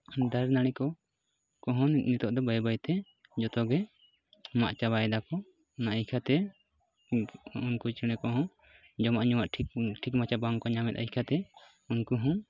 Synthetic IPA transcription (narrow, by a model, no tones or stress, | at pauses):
d̪aɾnaɽ̃ikɔ | kɔɦɔ̃nnit̪ɔʔd̪ɔbajbajt̪ɛ | d͡ʒɔt̪ɔɡɛ | ma̰ʔt͡ʃaβaɛd̪akɔ | naajkʰat̪ɛ | unkut͡ʃiɽ̃ɛkɔɦɔ̃ | d͡ʒɔmaʔɲuwaʔʈʰiʈʰikmat͡ʃabaŋkɔɲamɛ̰t̪ajkʰat̪ɛ | unkuɦɔ̃